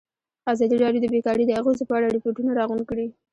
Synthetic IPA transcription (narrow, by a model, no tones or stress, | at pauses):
azɑd̪iɾɑɖjod̪əbekɑɽed̪əaɣozepəaɽaɾɪpoʈunaɾɑɣunkɽi